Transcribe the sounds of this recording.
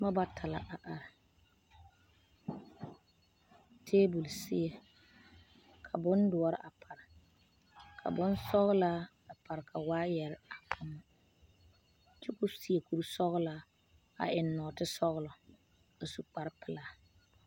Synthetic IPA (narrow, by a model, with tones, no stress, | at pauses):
ma˦ba˦tʰa˨la̰˨ʔa˨ʔa˨ɾɪ˨ | tʰeː˦bu˨lsɪ̰˦e˨ | kʰa˨bʊ˦ndʊ˨ɔ˦ɾɪ̰˦ʔa˨pʰa˨ɾɪ˨ | kʰa̰˨bʊ˦nsɔ˦ɣla˦ | a˨pʰa˨ɾkʰa˨waː˦jɛ˨ɾɪ˦a˨pʰʊ˨˦m˨ | t͡ʃɪ˦kʊ˦si˦e˨ku˦ɾsɔ˦ɣla˦ | a̰˨ʔɪ˨nːɔ˨tɪ˦sɔ˦ɣlɔ˨ | a˨su˨k͡pa˨ɾpʰɪ˨laː˨